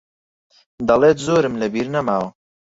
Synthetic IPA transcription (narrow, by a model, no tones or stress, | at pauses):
d̪ɑlet̪zoːɾɨmləbiɾnamawo